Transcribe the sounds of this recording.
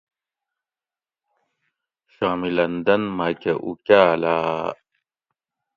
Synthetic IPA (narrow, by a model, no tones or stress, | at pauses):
ɕaːmilɐnd̪ɐnmakeʔukaːlaː